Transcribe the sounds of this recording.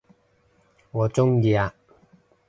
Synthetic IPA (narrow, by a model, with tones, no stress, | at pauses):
ŋɔː˨˧t͡sʊ˥ŋjiː˧˩a˧˨